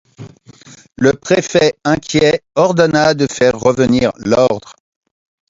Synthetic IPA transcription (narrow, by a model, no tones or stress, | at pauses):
ləpχefɛɛ̃kʲjɛɔʁd̪ɔnad̪əfɛʁːəvəniʁlɔʁd̪ʁ